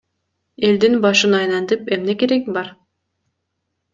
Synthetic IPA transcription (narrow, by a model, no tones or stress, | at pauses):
e̞ld̪inbɑʃɯnɑjnɑnd̪ɯpemne̞ke̞ɾekbɑɾ